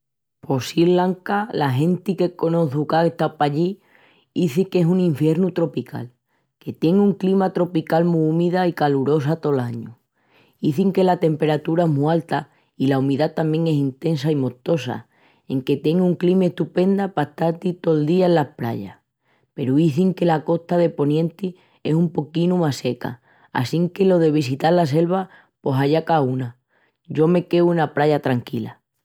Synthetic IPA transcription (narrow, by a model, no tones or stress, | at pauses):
po̞silaŋkalaɦe̞nt̪ike̞konoθukakeht̪apaʎi | iθike̞suŋĩɱfje̞ɾnut̪ɾo̞pikʰa̰l | ke̞t̪je̞ŋuŋklimat̪ɾo̞pikalmuumiðaikaluɾo̞s̬at̪o̞laɲu | iθiŋke̞lat̪e̞mpe̞ɾat̪uɾaeɦmualt̪a | ilaumiðat̪amje̞ŋe̞sint̪e̞nsaimot̪o̞sa̰ | e̞ŋke̞t̪e̞ŋɡuŋklimeht̪upe̞nd̪apaeht̪aɾt̪it̪o̞ld̪iaelːahpɾa̰ʎa̰ | pe̞ɾuiθiŋke̞lako̞ht̪aðe̞po̞njẽ̞nt̪i | e̞sumpo̞kinumase̞ka̰ | a̰siŋke̞lo̞ðe̞β̞isit̪aɾlas̬e̞lβa | po̞saʎakauna | ɟ͡ʝo̞me̞ke̞uunapɾaʝat̪ɾaŋkila̰